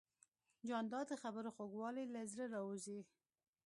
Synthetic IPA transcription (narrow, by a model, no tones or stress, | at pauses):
d͡ʒɑnd̪ɑd̪əxabəɾoxoɡwɑlelazɾəɾɑuzi